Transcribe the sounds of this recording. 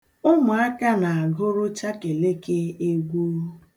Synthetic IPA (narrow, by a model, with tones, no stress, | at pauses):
ʊ˦mʊ˨a˦ka˦na˨a˨ɡʊ˦ɾʊ˦t͡ʃa˦ke˨le˦ke˦e˦ɡʷu˦